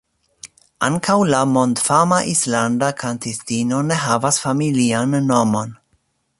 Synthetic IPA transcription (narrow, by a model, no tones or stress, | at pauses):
a̰ŋkʰawlamo̞ndfamaʔislandakʰantistino̞ne̞ɦavasfamilianːo̞mo̞n